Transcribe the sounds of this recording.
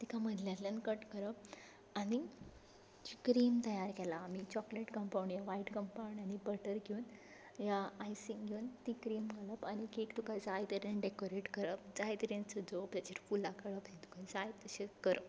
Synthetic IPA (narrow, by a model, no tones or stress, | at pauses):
t̪ikaməd̪ʱljalənkəʈkəɾəp | aɽ̃i | d͡ʑikɾiːmt̪əjaɾkɛlaːmit͡ɕɔkleʈkəmpawɳjaʋaiʈkəmpawɳɖañibəʈəɾɡʱeun | jaːjsiŋɡʱuːnt̪ikɾiːmɡʱaləpañikekt̪ukãd͡zajt̪əɾenɖekoɾeʈkəɾəp̚d͡zajt̪əɾent͡səd͡zopj̪at͡ɕeɾfulakəɭəpt̪ĩt̪u̥kʰãd͡zajb̚t̪əɕekəɾəp